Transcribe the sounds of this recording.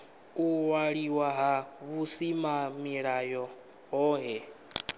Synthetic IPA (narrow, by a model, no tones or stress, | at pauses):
uwaɺiwaɦaβusimamiɺajɔ | ɦɔːɦɛ